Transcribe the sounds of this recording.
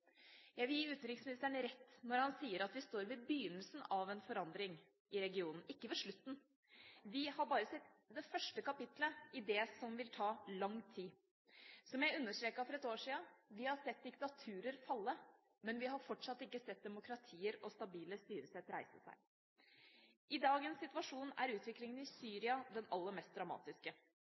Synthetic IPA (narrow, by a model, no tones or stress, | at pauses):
jæɪʋɪljiːʉːt̪nɾɪŋsmɪnɪst̪əɳɾɛt̪ːnɔɾhɑnsiːəɾɑt̪ʋɪst̪oːɾʋɪbjyːnəlsn̩ɑʋɛnfɔɾɑnd̪ɾɪŋ | ɪɾɛɡɪuːnn̩ɪkːəʋɛʂɭʉt̪ːn̩ | ʋɪhɑɾbɑːɾəsɛt̪ːd̪ɛfœʂʈəkɑpɪt̪ləɪd̪ɛːsɔmʋɪlt̪ʰɑːlɑŋːt̪ʰiː | sɔmjæɪʉnːəʂt̪ɾeːkɑfɔɾɛt̪oːʂiːɑʋɪhɑsɛt̪̚d̪ɪkt̪ɑt̪ʰʉːɾəɾfɑlːə | mɛnʋɪɦɑɾfɔʈʂɑt̪ːɪkːəsɛt̪̚d̪ɛmʊkɾɑt̪ʰiːəɾɔst̪ɑbiːləst̪yːɾəsɛt̪ːɾæɪsəsæ̰ɪ | ʔɪd̪ɑːɡənsːɪt̪ʋɑʂuːnæ̰ɾʉːt̪ʋɪklɪŋənɪsyːɾɪɑd̪ɛnɑlːəɾmɛst̪̚d̪ɾɑmɑ̰ːt̪ɪskə